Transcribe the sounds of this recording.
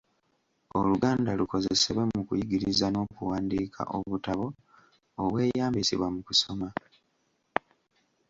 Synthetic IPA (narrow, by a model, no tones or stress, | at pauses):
o̰luɡaːndaluko̞zeseβwemukujiɡiɾizano̞ːkuwaːndiːkʰa̰ʔo̰βutaβo̞ː | βwe̞ːjaːmbisḭβwamukuso̞ma